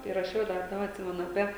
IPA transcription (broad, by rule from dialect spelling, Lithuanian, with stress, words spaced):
ɪ rɐˈʃʲɛʊ dɐr ˈdɑːbɐ ɐtʲˈsʲɪmʲɛnʊ ɐˈpʲiɛ